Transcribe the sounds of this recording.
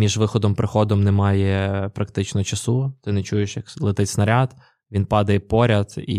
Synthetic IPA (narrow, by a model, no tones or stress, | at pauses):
mʲiʒʋɪxɔd̪ɔmpɾɪxɔd̪ɔmnɛmɑjɛpɾɐkt̪ɪt͡ʃnɔt͡ʃɐsut̪ɪnɛt͡ʃujeʃjɐklˠɪt̪ɪt͡sʲsnɐɾʲad̪ | ʋʲinpɑd̪ɐjɛpɔɾʲɐd̪ḭ